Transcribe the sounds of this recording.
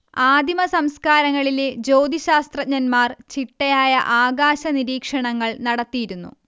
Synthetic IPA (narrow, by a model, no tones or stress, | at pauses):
aːd̪ʱimɐsɐmskaːɾɐŋːɐɭiled͡ʑo̞ːd̪iɕaːst̪rɐɲɐnmaːrt͡ɕiʈːɐjaːjɐʔaːɡaːɕɐniɾiːkʂɐɳɐŋːɐɭnɐɽɐt̪ːijiɾunːṵ